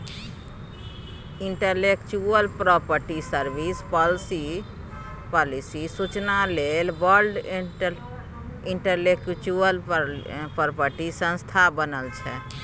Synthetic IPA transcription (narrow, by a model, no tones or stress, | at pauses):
iɳʈəlekt͡ʃuəlpɾɔpəɾʈisəɾbispɔlsi | pɔlisisut͡ʃnalelbəɾɖ | iɳʈəlekt͡ʃuəl | pəɾpəɾʈisə̃nst̪ʰabənəlt͡ʃʰɛ